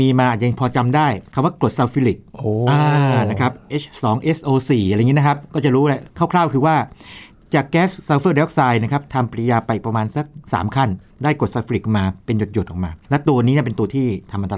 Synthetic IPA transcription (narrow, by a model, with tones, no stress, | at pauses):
miː˧maː˧ʔa˨˩t̪̚ja˧ŋpʰɔː˧t͡ɕa˧mdaː˥˩jkʰa˧˩waː˥˩klo˨˩t̪̚saː˧wfi˦˥li˨˩k̚ʔoː˧ʔaː˧na˦˥kʰa˦˥p̚ʔe˦˥t͡ɕʰsɔː˩˦ŋʔe˦˥sʔoː˧siː˨˩˧ŋi˦˥˦n˦˥kʰa˦˥p̚kɔː˥˩t͡ɕa˨˩ɾuː˦˥lɛ˧˩kʰa˥˩wkʰlaː˥˩wkʰɯː˧waː˥˩ | t͡ɕaː˨˩kːɛː˦˥ssaː˧wfəː˥˩dɛː˦˥k̚saː˧jna˥˩kʰa˦˥p̚t̪ʰa˧mpɾjaː˧pa˧jʔi˨˩pɾa˧maː˧nsa˧˩k̚sa̰ː˩˦mkʰa˥˩n | daː˥˩jkɾo˨˩sa˧w̪fi˧˥li˨˩k̚maː˧pe˧njo˨˩t̪̚jo˨˩t̪ʔɔː˨˩k̚ma̰ː˧lɛ˦˥t̪u˧ɐniː˦˥ni˥˩pe˧nt̪u˧ət̪ʰiː˥˩t̪ʰa˧mʔa˧nt̪a˧